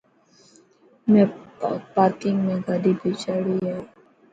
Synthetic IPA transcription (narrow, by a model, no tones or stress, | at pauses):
mɛ̃paːɾkɪŋɡmẽɡaɖibʱit͡ʃaɽiɦɛ